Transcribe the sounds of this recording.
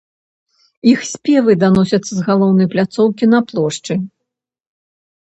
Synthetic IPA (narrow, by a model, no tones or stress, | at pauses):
ixsʲpʲɛvɨd̪anɔsʲɐt̪sːɐzɣalˠɔwnɐjplʲat̪sɔwkʲin̪ɐplˠɔʂt͡ʂɨ